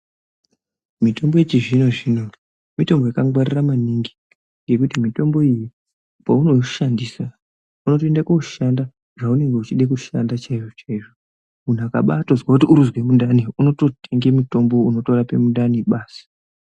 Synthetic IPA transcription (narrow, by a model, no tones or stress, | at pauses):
mito̞mbo̞it͡ʃiʐino̞ʐino̞ | mito̞mbo̞jakaŋɡwariramaniŋɡi̥ | ŋɡe̞kutimito̞mbo̞iji | pauno̞ʃandisa | uno̞toendakouʃanda | ʐaune̞ŋɡe̞ut͡ʃiɗek̬uʃa̰ndat͡ʃaiʐo̞t͡ʃaiʐo | mun̤aka̰ɓa̰tozwakutiuɾuzwe̞mundaniuno̞to̞tʰeŋɡe̞muto̞mbo̞uno̞to̞ɾapemundaniɓaːsi̥